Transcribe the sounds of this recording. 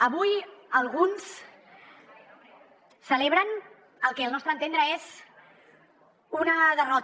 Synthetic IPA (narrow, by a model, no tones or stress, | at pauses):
əβujəlˠɣ̞uns | səleβ̞ɾən | əlˠkɛəlˠnɔst̪ɾənt̪end̪ɾəez | unəðərɔt̪